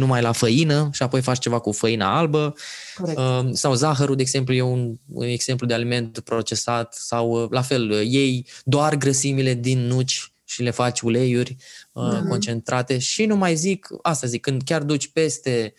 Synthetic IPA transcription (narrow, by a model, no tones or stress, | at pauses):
numajlafəinəʃiapo̞jfat͡ʃt͡ʃe̞vakufəina̰albə | əsawzaxəɾud̪eːɡze̞mpluje̞un̰e̞ɡz̥e̞mplud̪e̞alime̞nt̪pɾo̞t͡ʃe̞sat̪sawlafe̞lje̞jd̪oarɡɾəsimile̞d̪inːut͡ʃʲ | ʃile̞fat͡ʃʲule̞jurʲəko̞nt͡ʃe̞nt̪ɾʔat̪e̞ʃinumajzikast̪azikːɨnd̪kʲard̪ut͡ʃʲpe̞st̪e̞